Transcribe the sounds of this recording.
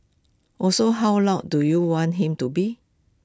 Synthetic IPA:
ʔɔsoɦawlaʊt̚dujuwɔ̃ntɦĩmtubi

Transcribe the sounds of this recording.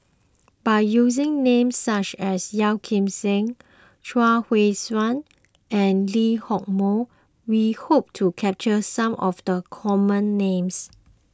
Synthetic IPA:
b̥ajjuzɪ̃ŋnẽmsːat͡ʃɛsjɛwkʰɪ̃msɪ̃ŋ | ʃwahweswãn | ɛ̃nlihɔk̚mo | wihop̚tʰukʰɛp̚t͡ʃəsãmʔɔfdəkʰɔmə̃nːẽms

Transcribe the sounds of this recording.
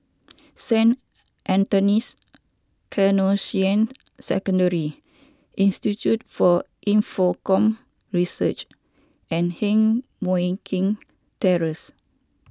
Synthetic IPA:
sɛ̃n | ʔɛ̃ntɔnis | kʰɛnosiə̃n | sɛ̰kɔ̃ndəɹi | ʔĩnstitjut̚fɔ | ʔĩnfɔkɔ̃m | ɹisət͡ʃ | ʔɛ̃nhɛ̃ŋ | mɔĩkʰĩŋ | tɛɹəs

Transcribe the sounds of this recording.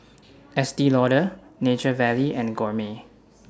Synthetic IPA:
ɛsdilɔɾənet͡ʃəvɛliʔɛ̃nɡɔɹme

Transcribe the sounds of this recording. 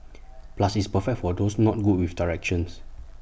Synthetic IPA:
plasispəfɛk̚tfɔdosnɔt̚ɡut̚wifdaɹɛk̚ʃɔ̃ns

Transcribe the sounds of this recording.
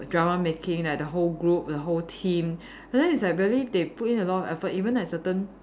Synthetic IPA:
dɹamamekʰɪ̃ŋlak̚dəɦolɡɹup̚dəɦoltʰĩm | ɛ̃dɛ̃nislak̚ɹiəlideput̚ĩnəlɔtɔfɛfətivə̃nɛtsətə̃n

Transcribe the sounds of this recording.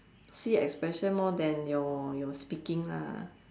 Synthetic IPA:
siɛ̰kspɹɛʃə̃nmɔdɛ̃njɔjɔspikĩŋla̰

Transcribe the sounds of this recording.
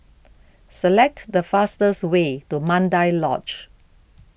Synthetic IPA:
səlɛk̚tdəfastəswetumãndaɪlɔ̰t͡ʃ

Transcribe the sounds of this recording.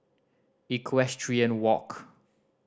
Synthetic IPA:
ikʰwɛstʰɹiə̃nwɔk

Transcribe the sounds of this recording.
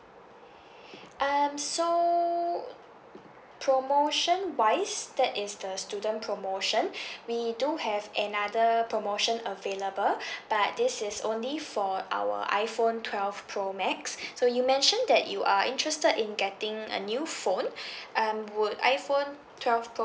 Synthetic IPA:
ʔamso | pʰɹomoʃə̃nwaɪsdɛtɪsdəstudə̃npʰɹomoʃə̃nwiduhɛvɛnadəpɹomoʃə̃nəveləbəlb̥at̚dɪsɪsõ̰nlifɔʔa̰wə̰ʔa̰ɪfõntʰwɛlvpʰɹomɛksːojumɛ̃nʃə̃ndɛʔjuʔaʔɪ̰̃ntɹɛstədɪ̃nɡɛtɪ̃ŋə̰njufõnʔʌ̃mwʊda̰ɪfõn | tʰwɛlvpʰo

